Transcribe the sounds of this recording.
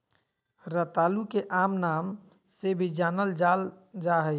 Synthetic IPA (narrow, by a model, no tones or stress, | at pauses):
ɾət̪aːlukeʔaːmnaːm | sebʱid͡ʒaːnəld͡ʒal | d͡ʒaɦəj